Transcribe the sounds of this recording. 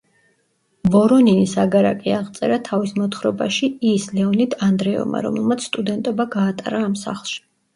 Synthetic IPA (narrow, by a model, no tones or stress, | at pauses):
bɔɾɔninisaɡaɾa̰kʼiaʁt̪sʼɛɾat̪ʰavismɔt̪χɾɔba̰ʃiislɛɔnid̪ʰand̪ɾɛɔ̰ma̰ɾɔ̰mɛlˠmat̪sʰst̪ʼud̪ɛnt̪ʼɔbaɡaːt̪ʼa̰ɾaːmsa̰χlˠʃi̥